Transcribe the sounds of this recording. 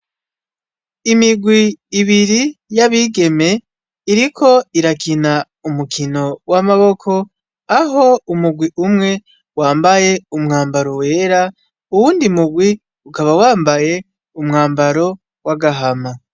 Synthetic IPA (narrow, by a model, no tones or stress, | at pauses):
imiɡwiːβiɾijaβiɡe̞me̞ | iɾikʰo̞iɾakʰina | umukʰino̞wamaβo̞kʰo̞ | aɦo̞umuɡwiʔumŋe̞ | waːmbaje̞umŋaːmbaɾo̞we̞ːɾa | uwuːndimuɡwi | ukaβawaːmbaje̞ | umŋaːmbaɾo̞ | waɡaɦama